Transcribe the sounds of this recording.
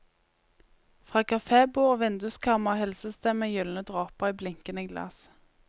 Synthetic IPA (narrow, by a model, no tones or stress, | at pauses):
fʁɑːkʰɑfeːbuːʁoːʋɪnd̪ʉskʰɑmɑhɛlsəst̪ɛməjʏlnəd̪ʁɑːpəʁiːblɪŋkənəɡlɑ̰s